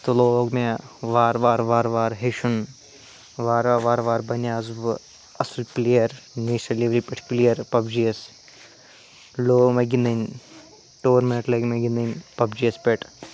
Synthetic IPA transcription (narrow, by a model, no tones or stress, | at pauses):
t̪oloːɡmeʋaːɾʋaːɾʋaːɾʋaːɾɦeʃun | ʋaːɾʋaːɾʋaːɾbɐnjaːzub | ɐsulplejɐɾneːʃɐliʋɾipʲeʈʰplijɐɾpɐbd͡ʒiɐs | loːmeɡinɐn | ʈoːɾminʈlɐɡmeɡinɐnpɐbd͡ʒijɐspʲeʈʰ